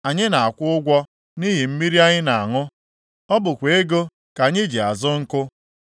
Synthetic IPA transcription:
a˨ɲɪ˦na˨a˨kʷʊ˦ʊ˦ɡʷɔ˦ | ni˦ɦi˨m̩˦mi˦ɾi˦a˦ɲɪ˦na˨a˨ŋʊ˦ | ɔ˦bʊ˨kʷe˨e˦ɡo˦ | ka˨ɲɪ˦d͡ʒi˨a˨zʊ˦ŋ̩˦kʊ˦

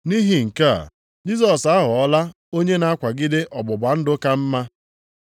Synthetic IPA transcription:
ni˦ɦi˨ŋ̩˨ka˦a̰˨ | d͡ʒi˦sɔ˨sa˦ɦʊ˨ɔ˦la˦ | o˦ɲe˦na˦a˦kʷa˨ɡɪ˦de˦ʔɔ˨bʊ˨ba˨n̩˦dʊ˦ka˦m̩˦ma˦

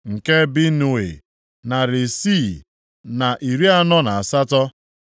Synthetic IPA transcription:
ŋ̩˨ke˦bi˦nu˦˨e˨ | na˨ɾɪ˨siː˦˨ | na˨ʔi˨ɾi˦a˦nɔ˦na˨a˨sa˦tɔ˦

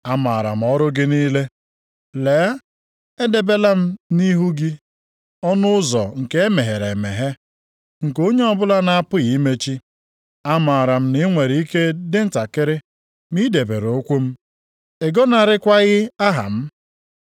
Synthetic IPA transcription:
a˦ma˨ɾa̰˨m̩˨˦ɔ˦ɾʊ˦ɡɪ˦niː˦le˦ | leː˨˦ | e˦de˨be˦la˦m̩˦ni˦ɦu˦ɡi˦ | ɔ˦nʊ˦ʊ˦zɔ̰˨ŋ̩˨ke˦e˦me˨ɦe˨ɾe˨me˨ɦe˦ | ŋ̩˨ko˦ɲe˦ɔ˦bʊ˦la˦na˨a˦pʊ˦ɣi˨i˦me˦t͡ʃi˦ | a˦ma˨ɾa˨m̩˦ni˦ŋʷe˨ɾi˨˦i˦ke˦dɪ˦n̩˦ta˨kɪ˦ɾɪ˦ | mi˦de˨bḛ˨ɾo˨o˦kʷu˦m̩˦ | e˨ɡɔ˦na˨ɾɪ˦kʷa˦ɣɪ˦a˦ɦa̰˨m̩˦

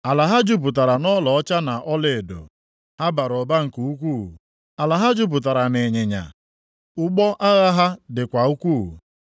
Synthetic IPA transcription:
a˨la˨ɦa˦d͡ʒu˦p̬ʊ˨t̬a˨ɾa˨nɔ˦lɔ˨ɔ˦t͡ʃa˦na˨ʔɔ˦le˨do̰˨ | ha˦ba˨ɾɔ˨ba˦ŋ̩˨ku˨u˦k̬ʷu˦˨ | a˨la˨ɦa˦d͡ʒu˦p̬ʊ˨t̬a˨ɾa˨ne˨ɲe˨ɲa̰˨ | ʊ˦ɡ͡bɔ˦ʔa˦ɣa˦ɦa˦dɪ˨kʷa˨u˦kʷu˦˨

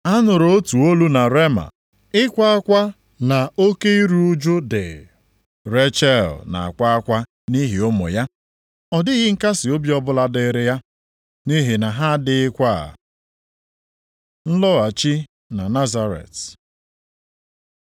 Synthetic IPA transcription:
a˦nʊ˨ɾo˨o˦tu˨o˦lu˦na˨ɾe˦ma̰˨ | ɪ˦kʷa˦a˦kʷa˦ | na˨o˦ke˦i˦ɾu˦u˦d͡ʒʊ˦dɪ̰˨ | ɾe˦t͡ʃɛ˦˨lna̰˨a̰˨kʷa˦a˦kʷa˦ | ni˦ɦi˨ʊ˦mʊ̰˨ja˦ | ɔ˨dɪ˦ɦɪ˦ŋ̩˦ka˦sɪ˨o˦bjɔ˦bʊ˦la˦dɪ˦ɾɪ˦ja˦ | ni˦ɦi˨na˨ɦa˦dɪ˨ɪ˦kʷa˦a̰˨ | n̩˦lɔ˦a˨t͡ʃi˦ | na˨na˦za˦ɾḛ˨t

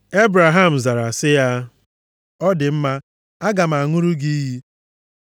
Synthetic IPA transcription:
e˦bɾa˨ɦa˦m̩˨za˨ɾa˨sɪ˦ja˦ | ɔ˦dɪ˨m̩˦ma˦ | a˦ɡa˨m̩˨a˨ŋʊ˦ɾu˦ɡi˦ɦi˦

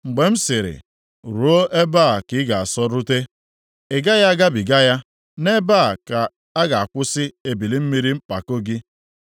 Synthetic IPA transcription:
ŋ͡m̩˨ɡ͡be˨m̩˦sɪ˨ɾɪ̰˨ | ɾu˨˦o˦ʔe˦ba˦˨kɪ˨˦ɡa˨a˨sɔ˦ɾʊ˦te˦ | e˨ɡa˦ja˦a˦ɡa˦bi˨ɡa˦ja˦ | ne˦ba˦˨ka˨ | a˦ɡa˨a˨kʷʊ˦sɪ˦e˨bi˨li˦m̩˦mi˦ɾi˦m̩˦k͡pa̰˨ko˦ɡi˦

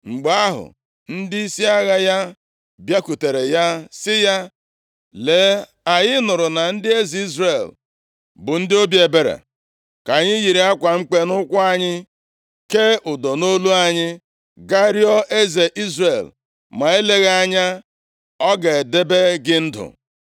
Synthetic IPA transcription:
ŋ͡m̩˨ɡ͡ba˦a˦ɦʊ̰˨ | n̩˦dɪ˦i˦si˦a˦ɣa˦ja˦ | bja˦ku˨te˨ɾe˨ja˦sɪ˦ja˦ | le˨˦ | a˨ɲɪ˦nʊ˨ɾʊ˨na˨n̩˦dɪ˦e˦zi˨i˦zre˨l | bʊ˨n̩˦dɪ˦o˦bje˨be˨ɾḛ˨ | ka˨ɲɪ˦ɣi˨ɾe˨a˦kʷa˨ŋ͡m̩˦k͡pe˦nʊ˦kʷʊ˦a˦ɲɪ˦ | ke˦ʊ˨dɔ˨no˦lu˦a˨ɲɪ˦ | ɡa˦ɾjɔ˦ʔe˦ze˨ʔi˦zre˨l | ma˨e˦le˦ɣa˦˨ɲa˦ | ɔ˦ɡe˨de˦be˦ɡɪ˦n̩˦dʊ̰˨

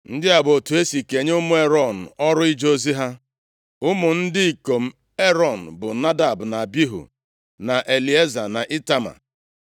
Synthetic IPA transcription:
n̩˦dɪ˦a˨bo˨tu˨e˦si˨ke˨ɲ˦ʊ˦mʊ˦e˦ɾɔ˦˨n̩˨ɔ˦ɾʊ˦i˦d͡ʒo˦zi˦ɦa˦ | ʊ˦mʊ˨n̩˦dɪ˦i˨ko˨m̩˦ | e˦ɾɔ˨n̩˨bʊ˨na˦da˨bna˨bi˦ɦṵ˨ | na˨ʔe˨li˨˦e˦za˨na˨ʔi˦ta˦ma̰˨

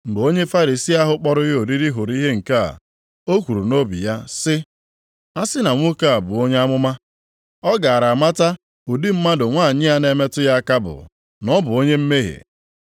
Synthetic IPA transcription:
ŋ͡m̩˨ɡ͡bo˦ɲe˦fa˦ɾi˨si˦a˦ɦʊ˦k͡pɔ˦ɾʊ˦o˨ɾi˦ɾi˦ɦo˨ɾi˦ɦe˦ŋ̩˨ka˦a̰˨ | o˦kʷu˨ɾu˨no˦bḭ˨ja˦sɪ˦ | a˦sɪ˦na˨ŋʷʊ˦ka˦a˨bʊ˨o˦ɲe˦a˦mʊ˦ma˦ | ɔ˦ɡa˨ɾa˨ma˦ta˦ | o˨di˦m̩˦ma˦dʊ˨ŋʷaː˦˨ɲɪ˦a˦ne˦me˦tʊ˦ja˦a˦ka˦bʊ̰˨ | nɔ˦bʊ˨o˦ɲe˦m̩˦me˦ɦḛ˨

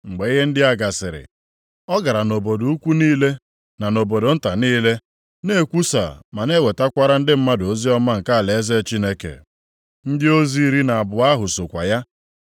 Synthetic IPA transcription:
ŋ͡m̩˨ɡ͡be˨i˦ɦe˦n̩˦dɪ˦a˦ɡa˨sɪ˨ɾɪ̰˨ | ɔ˦ɡa˨ɾa˨no˨bo˨do˨u˦kʷu˦niː˦le˦ | na˨no˨bo˨do˨n̩˦ta˨niː˦le˦ | ne˦kʷu˦sa̰˨ma˨ne˦we˨ta˦kʷa˦ɾa˦n̩˦dɪ˦m̩˦ma˦do˨˦zi˦ɔ˦ma˦ŋ̩˨ka˦a˨le˨e˦ze˦t͡ʃi˦ne˦kḛ˨ | n̩˦dɪ˦o˦zi˦ɾi˦na˨a˨bʊ˨a˦ɦʊ˨sʊ˨kʷa̰˨ja˦

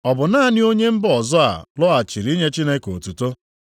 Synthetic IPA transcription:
ɔ˨bʊ˨na˦nɪ˦o˦ɲe˦m̩˦bɔ˨zɔ˦a̰˨lɔ˦a˨t͡ʃi˨ɾi˦ɲe˦t͡ʃi˦ne˦ko˨tu˨to˦

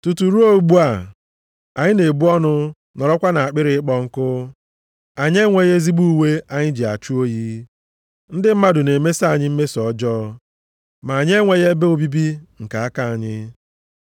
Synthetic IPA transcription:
tu˨tu˨ɾu˦o˦u˨ɡ͡bu˦a˨ | a˨ɲɪ˦ne˨bu˦ɔ˦nʊ˦ | nɔ˨ɾɔ˦kʷa˦na˨a˨k͡pɪ˦ɾɪ˦k͡pɔ˦ŋ̩˦kʊ˦ | a˨ɲ˦e˦ŋʷe˨ɣe˦zi˦bu˦we˦a˨ɲɪ˦d͡ʒi˨a̰˨t͡ʃu˦o˦ji˦ | n̩˦dɪ˦m̩˦ma˦dʊ˨ne˨me˦sa˦˨ɲɪ˦m̩˦me˦sɔ˨˦d͡ʒɔː˦ | ma˨a˨ɲe˦ŋʷe˨ɣe˦be˦o˨bi˦bi˦ŋ̩˨ka˨a˦ka˨a˨ɲɪ˦

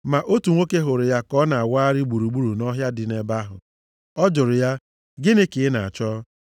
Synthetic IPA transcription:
ma˨ʔo˦tu˨ŋʷo˦ke˦ɦʊ˨ɾɪ˨ja˦kɔ˦na˨a˨wa˦ɾɪ˦ɡ͡bu˨ɾu˨ɡ͡bu˦ɾu˨nɔ˦ɦja˦dɪ˨ne˨ba˦ɦʊ̰˨ | ɔ˦d͡ʒʊ˨ɾʊ˨ja˦ | ɡɪ˦nɪ˦kɪ˨ɪ˦na˨a˨t͡ʃɔ˦

